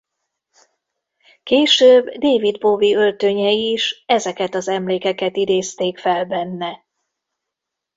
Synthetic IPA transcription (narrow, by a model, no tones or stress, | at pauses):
keːʃøːbd̪eːvid̪boːviølt̪øɲɛiʃɛzɛkɛt̪ɒzɛmleːkɛkɛt̪id̪eːst̪eːkfɛlbɛnːɛ